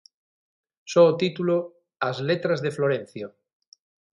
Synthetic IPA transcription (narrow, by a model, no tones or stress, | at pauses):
soːt̪it̪ulo | azlet̪ɾazðefloɾẽn̟θjo